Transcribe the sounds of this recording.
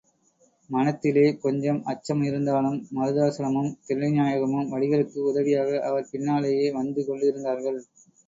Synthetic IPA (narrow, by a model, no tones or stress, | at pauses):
mɐnɐt̪ːɪleːkɔɲd͡ʒɐmɐt͡ʃːɐmɪɾɯnd̪aːlɯmːɐɾɯðaːsɐɾɐmɯmt̪ɪɾɭɐɲaːjɐɣɐmɯmʋɐɭɪɣɐɭɯkːɯʊðɐʋɪjaːɣɐʔɐʋɐɾpɪnːaːlɐjeːʋɐnd̪ɯkɔɳɖɪɾɯnd̪aːɾɣɐɭ